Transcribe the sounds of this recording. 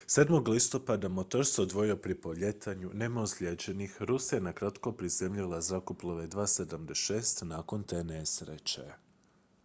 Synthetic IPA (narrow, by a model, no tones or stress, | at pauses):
se̞ːd̪mo̞ɡlˠist̪o̞pad̪amot̪o̞ɾsod̪ʋo̞jio̞pɾipo̞ʎe̞t̪ʰaɲunemausʎʲed͡ʑe̞nixɾusijenakɾat̪ko̞pɾizemʎilˠazakoplˠoʋe̞d̪ʋaːse̞d̪amd̪eʃe̞ːst̪naːko̞nt̪e̞ne̞sɾet͡ɕḛ